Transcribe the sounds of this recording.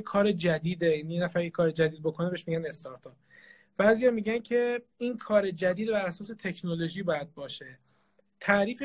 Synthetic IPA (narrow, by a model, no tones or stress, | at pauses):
kʰɒːɾed͡ʒæd̪iːd̪ejænijenæfæɾjekʰɒːɾed͡ʒæd̪iːd̪̚bo̞kʰo̞ne̞beʃmiːɟæne̞st̪ɒɾt̪ʰɒp̚ | b̥æːzijɒːmiːɟæncʰe̞ | inkʰɒːɾed͡ʒæd̪iːd̪bæɾæsɒːse̞t̪ʰe̞cʰnolo̞ʒiːbɒːjæd̪̚bɒːʃe̞ | t̪ʰæʔɾiːfe